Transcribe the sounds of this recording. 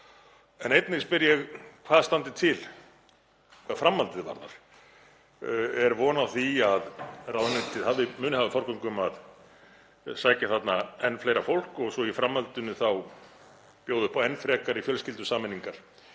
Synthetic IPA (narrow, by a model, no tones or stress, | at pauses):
ɛnejt̪nɪspɪɾjɛɣkʰvaðst̪ant̪ɪt̪ʰɪl | kʰvaðfɾamːalt̪ɪðva̰ɾna̰ɾ̥ | ɛɾvɔːnaðθiaðraːwðnɛt̪ʰɪðhavðɪmʏːnɪhavɪfaɾ̥kʏŋkʏmað | saːjcaθat̪naɛnːfleːjɾafowl̥kɔɣsɔifɾamːalt̪ʏnʏθaw | pjoːwðʏhpɔɛnːfɾɛːkaɾifjœlscɪlt̪ʏsaːmɪnːiŋkaɾ̥